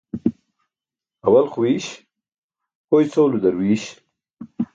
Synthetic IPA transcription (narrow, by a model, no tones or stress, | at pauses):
ɐwɐlχwiːɕ | pojt͡sowlud̪ɐɾwiːɕ